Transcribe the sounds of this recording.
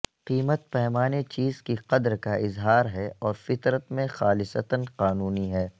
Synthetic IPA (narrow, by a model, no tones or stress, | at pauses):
qiːmət̪̚pɛɦmaːnet͡ʃiːzkiqɐd̪ɾkaɪzɦaːɾɦɛɔːɾfɪt̪ɾət̪mẽxaːlɪsət̪ənqaːnuːniɦɛː